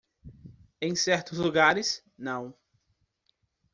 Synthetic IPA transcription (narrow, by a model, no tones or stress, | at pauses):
ẽj̃sɛɾt̪ʊzluɡaɾɪs | nɐ̃w̃